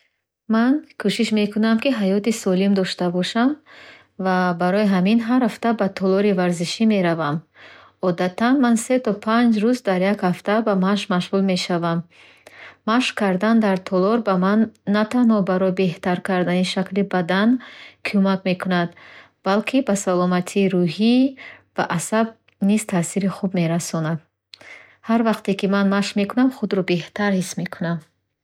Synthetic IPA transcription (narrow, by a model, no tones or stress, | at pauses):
mankʰuʃiʃme̞kʰunamkiɦajɔt̪isɔlimd̪ɔʃt̪abɔʃam | vabaɾɔiɦaminɦaɾhaft̪abat̪ʰɔlɔɾivaɾziʃime̞ɾavam | ɔd̪at̪ʰanmanse̞t̪ʰɔpʰand͡ʒɾuzd̪aɾjakhaft̪abamaʃmaʃʁulme̞ʃavamː | aʃkʰaɾd̪and̪aɾt̪ʰɔlɔɾbamanːat̪anhɔbaɾɔjbe̞ht̪aɾkʰaɾd̪aniʃaklibad̪ankʰumakme̞kʰunad̪ | b̥alkʰibasalɔmat̪ʰiːɾuɦibaʔasab̚ | niz̥t̪ʰasiɾiχubme̞ɾasɔnad̪ | haɾvaqt̪ekimanmaʃme̞kunamχud̪ɾɔbe̞ht̪ʰaɾhisme̞kʰunam